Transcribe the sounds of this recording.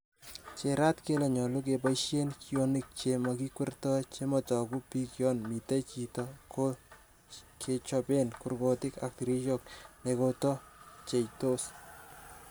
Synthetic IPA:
t͡ʃeɾa˦tke˦lɛ˨ɲɔ˨lu˦k̬epajʃenkjo˦nik̚t͡ʃemaki˦kwɛ˦rtɔ˦t͡ʃe˦mɔ˨tɔ˨ku˦pi˦kjɔnmi˨te˦t͡ʃi˨tɔko | kʰe˨t͡ʃɔpe˦nku˨rko˨tɪ˦ka̰k̚ti˨ɾi˦ʃɔk̚ne˨kotɔ˦t͡ʃe˨jto˦s

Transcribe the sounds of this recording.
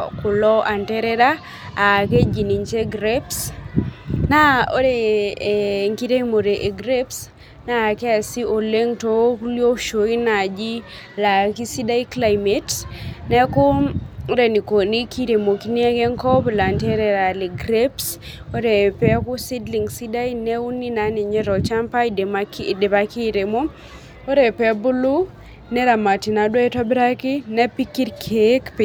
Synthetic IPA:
kʊ˨lɔ˦ʔa˨ntɛ˦ɾɛ˦ɾa˦ | a˨ke˦d͡ʒi˨ni˨ɲt͡ʃe˦ɡɾeps | na˦o˦ɾe˨ | ŋki˦ɾe˦mo˨ɾe˨ʔe˨ɡɾe˦ps | na˦˨kɛ˦a˨si˦o˨le˦ŋto˦kljo˦ʃo˨i˦na˨d͡ʒi˦ | la˨ki˦si˦da˦i˦kla˨jme˦tnɛ˦kʊ˦ɾe˨ni˨ko˨ni˦ki˦ɾe˨mo˨ki˦ni˦e˦ɡe˦ŋkɔ˦bla˨nte˦ɾɛ˨ɾa˨li˨ɡɾeps | o˦ɾɛ˨pɛ˦ku˦si˦dli˨ŋsi˦da˦inɛ˦u˦nːi˦na˦ni˨ɲe˦ɾɔ˨t͡ʃa˦mpa˦i˨dmakːde˨pa˦ki˦ɾe˨mo˦ | o˦ɾɛ˨pɛ˦bu˦lu˦ | nɛ˦ɾa˨ma˨ti˨na˨dwɔ˦ɛ˦tɔ˦bɾa˦ki˦nɛ˦pi˦ki˦ɾkʰekp

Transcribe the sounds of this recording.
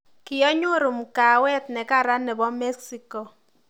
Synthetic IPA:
kɪ˨jɔ˦ɲo˦ɾu˨m˨ka˨wɛ˦t̪̚nɛ˨ka˦ɾa˦nɛ˨bɔ˦mɛ˦ksi˦kɔ˨

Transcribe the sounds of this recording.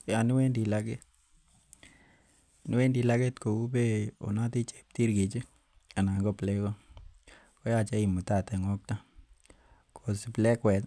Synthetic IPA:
ja˨ni˦we˦ndi˨la˦ke˦˨ | ni˦we˦ndi˨la˦ke˦tko˨u˦be˦o̰˨na˦ti˦t͡ʃe̥˨p̚ti˦ɾki˨t͡ʃi˦ | a˨na˨ŋɡo˦plɛ˦kɔ˦ | ko˦ja˨t͡ʃɛ˦i˨mu˨ta˨tɛ˨ŋɔ˦k̚ta˦ | kʰo˨si˨plɛ˦kwɛ˨t

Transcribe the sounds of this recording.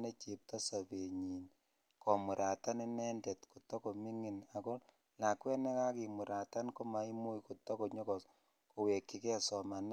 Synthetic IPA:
ne˦t͡ʃe˨p̚ta˦sa˨βe˨ɲi˨n | kɔ˨mu˨ɾʔa˨ta˦ni˦nɛ˦ndɛ˨tko˨tɔ˦kɔ˨mi˦ŋi˨na˨kɔ˦ | la˨kwɛ˦nɛ˦ka˦ki˨mu˨ɾa˨ta˦nko˦ma˨i˦mu˦jko˨tɔ˦kɔ˨ɲɔ˦kɔ˨ | ko˨we˨kːi˨kɛ˦˨sɔ˨ma˨n

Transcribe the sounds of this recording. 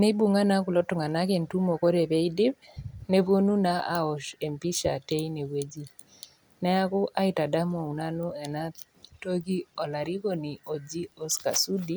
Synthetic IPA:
ne˦bu˦˨ŋa˦na˦ku˨lɔ˦tʊ˨ŋa˨na˦ke˨ntu˦mo˨ko˦ɾe˨be˦i˦dɪ˦p | ne˦βo˦nu˦na˦ʔa˨ɔ˨ʃe˨mpi˦ʃa̰˨te˦i˦ne˨we˦d͡ʒi˦ | nɛ˦a˦kʊ˦ʔa˦i˨ta˨da˦mo˨u˨na˦no˦ɛ˨na˦ | to˦ki˦ɔ˨la˨ɾi˦ko˨ni˨o˨d͡ʒi˦o˦ska̰˨su˦di˦

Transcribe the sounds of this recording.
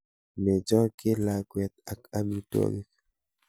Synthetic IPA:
mɛ˨d͡ʒɔ˦kɪ˦la˨kwɛ˨t̪̚a˨ka˦mi˦two̰˦ɡi˦k

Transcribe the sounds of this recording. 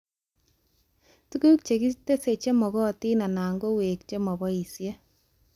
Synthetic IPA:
tu˦ku˦k̚t͡ʃe˨ki˦te˦se˨t͡ʃe˦mɔ˨ɣɔ˦˨ti˦na˨na˨ŋɡo˦we˨kt͡ʃe˦mɔ˨bɔ˦i˨sje˦

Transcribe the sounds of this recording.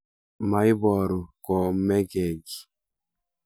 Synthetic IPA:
ma˨i˦bɔ˨ɾu˨kɔ˨mɛ˦ɡɛ˨ɡi˨

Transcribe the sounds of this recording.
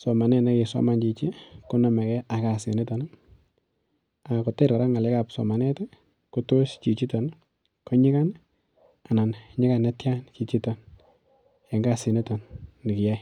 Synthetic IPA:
sɔ˨ma˨nɛ˦nɛ˦ki˨sɔ̰˦ma˨nt͡ʃi˨t͡ʃi˦ku˦na˨mɛ˨kɛ˦ʔa˨kasɪ̰˨ni˦tɔ˨n | a˨kɔ˨tɛ˦ɾa˨ɾa˦ŋa˨lɛ˦kapsɔ̰ma˨nɛ˦t | ku˦tost͡ʃi˨t͡ʃi˦tɔ˨n | kɔ˦ɲɪ˦ka˦n | a˨na˨nɲɪ˦ka˨nɛ˦tjant͡ʃi˨t͡ʃi˦tɔ˨n | ja˨ŋɡa˦si˨nitɔ˨nːnɪ˨kɪ˨ja˦j

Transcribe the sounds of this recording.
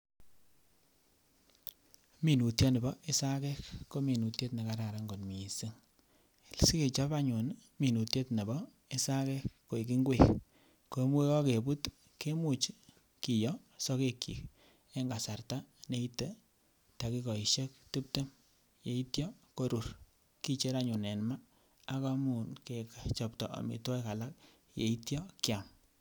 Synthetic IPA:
mi˨nu˨tjɔ˦ne˨bɔ˦ʔe˦sa˦kɛ˦kko˦mi˨nu˨tje˦tni˨ka˨ɾa˨ɾa˨˦ŋɡo˨nmi˨si˦ŋ | si˦ke˨t͡ʃa˦pa˦ɲu˨nmi˨nu˨tje˦tne˨bɔ˦ | e˦sa˦kɛ˦kːo˨i˨k̬i˦ŋɡwe˨k | ko˨˦mwe˦kɔ˦ke˨bu˦t | ke˦mu˨t͡ʃ | ki˨jɔ˦ | sɔ˦ke˦kːḭ˨k | e˦ŋɡa˨sa˨rta˦ne˦i˦te˨ | ta˨ki˦kɔ˨i˨ʃe˦k̚ti˦p̚te˦m | je˨i˦tjɔ˦ko˦ɾu˨r | ki˦t͡ʃe˦ɾa˦˨ɲu˨nɛ˨nma˦ | a˦ka˦mu˨nke˨kt͡ʃɔ˨ptɔ̰˨ʔa̰˨mḭ˨tɔ˦jka˨la˦k̚ | jḛ˨i˦tjɔ˦kja˨m

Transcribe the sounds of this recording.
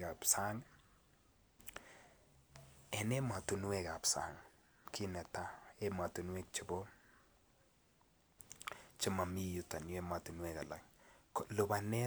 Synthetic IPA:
ka˨psa˦ŋ | ɛ˨ne˦ma˨tu˨nwe˦ka˨psa̰˨ŋ | kʰi˦nɛ˨ta˦e˦ma˨tu˨nwe˦k̚t͡ʃɪ˨bo˦ | t͡ʃɪ˦ma˨mi˦ju˨ta˨nwe˦ma˨tu˨nwe˨ka̰˨la̰˨ŋklo˨ba˨nɛ˦

